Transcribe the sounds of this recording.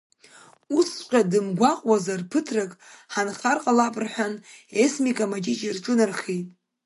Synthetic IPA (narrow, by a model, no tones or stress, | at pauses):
usʃʷqʲʼadɨmɡʷaqʼwazarpʰɨtʰrakʼħanχarqʼalapʼrħʷᶣanesmikʼamad͡ʒit͡ʃʼirʈ͡ʂʼunarχijtʼ